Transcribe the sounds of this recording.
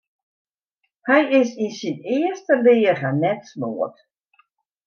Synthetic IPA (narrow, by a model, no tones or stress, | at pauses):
hɛjɪsinsinɪːəstəlɪːəɣanɛtsnoːət